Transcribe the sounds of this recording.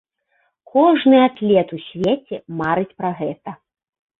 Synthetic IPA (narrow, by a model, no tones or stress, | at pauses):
kʰɔʐnɨat̪lʲɛt̪usʲvʲet͡sʲɛmaɾɨt͡sʲpɾaɣɛt̪ɐ